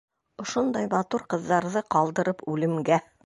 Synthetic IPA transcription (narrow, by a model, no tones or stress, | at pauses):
ŏʃond̪ɑjmɑt̪uɾqɤ̆ðːɑɾðɤqɑlˠd̪ɤ̆ɾɤpʉlɘ̆mɡæ